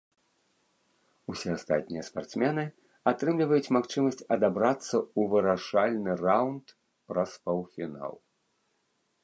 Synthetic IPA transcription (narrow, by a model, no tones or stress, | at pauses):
usʲɛast̪a̰t̪̚ʲnʲijɐspart̪smʲɛnɨ | at̪ɾɨmlʲivɐjut͡sʲmaxt͡ʂɨmɐsʲt͡sʲɐd̪abɾat̪sːɐuvɨɾaʂalʲnɨrawnt̪ | pɾɐspɐwfʲina̰lˠ